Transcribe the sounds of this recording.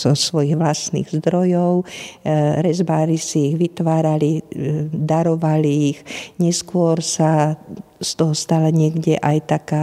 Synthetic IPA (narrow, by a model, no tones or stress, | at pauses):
zɔsʋɔjiɣʋlasnḭɣzd̪ɾɔjɔʊ | ɾɛzbaːɾisiːɣʋit̪ʋaːɾalid̪aɾɔʋaliːxɲɛskʊɔɾsa | st̪ɔɦɔst̪alaɲɪɛɡɟɛʔajt̪aka